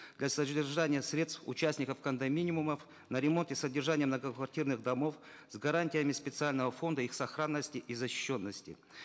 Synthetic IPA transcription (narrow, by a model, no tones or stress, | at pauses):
d̪lʲasədʲɪrʐanʲɪjəsɾʲe̞t̪st̪fʊ̰t͡ɕæsʲnʲɪkəfkənd̪ɐmʲinʲɪmuməf | nɐɾʲɪmo̞nt̪ɨsədʲɪrʐanʲɪjəmnəɡəkvɐrtʲirnɨxd̪ɐmo̞f | zɡɐɾanʲtʲɪjəmʲɪspʲɪt̪sɨalʲnəvəfo̞nd̪əixsɐxɾanːəsʲtʲɪʔizɐɕɪ̥ɕːo̞nːəsʲtʲɪ